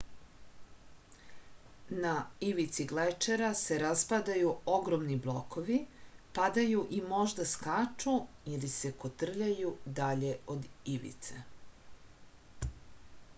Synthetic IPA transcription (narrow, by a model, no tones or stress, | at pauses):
naiʋit̪siɡlet͡ʃeɾase̞ɾaspad̪ajuo̞ɡɾomniblˠokoʋipad̪ajuʔimo̞ʒd̪askat͡ʂuilise̞kot̪r̩ʎajud̪aʎe̞od̪iʋḭt̪sḛ